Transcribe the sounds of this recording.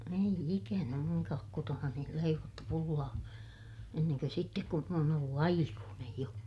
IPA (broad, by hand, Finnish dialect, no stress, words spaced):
ei ikænæ muŋkɑːk kotonɑni leiʋotːu pulːɑː enːeŋkø sitːek kun m oːn olːu ɑikuːnej jo